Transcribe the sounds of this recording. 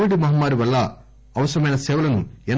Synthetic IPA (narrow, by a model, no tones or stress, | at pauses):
ʋiɽimɐɦmːaːɾiʋɐlːɐ | ɐʋɐsɾɐmeːnɐseːʋɐlɐnːuɛn